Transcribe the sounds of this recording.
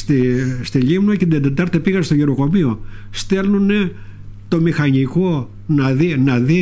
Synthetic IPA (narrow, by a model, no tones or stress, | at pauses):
st̪ist̪iʎimnocet̪d̪ed̪et̪ɐɾt̪e̞piɣɐst̪oʝeɾo̞ko̞mio̞st̪e̞lnunet̪o̞mixɐɲiko̞ | nɐðinɐði